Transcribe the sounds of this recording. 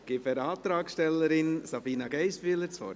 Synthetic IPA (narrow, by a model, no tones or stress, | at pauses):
ɡ̥ɪfɛɾɑːt̪ɾɑːksʃtɛlːəɾɪnsɑbiːnɑɡɛɪsfyələt͡sfɔ̰ɾ